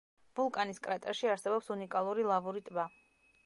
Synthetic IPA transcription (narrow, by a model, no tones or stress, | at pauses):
vulˠkʼaniskʼɾat̪ʼɛʃiaɾsɛbɔpsunikʼalˠuɾilˠavuɾit̪ʼba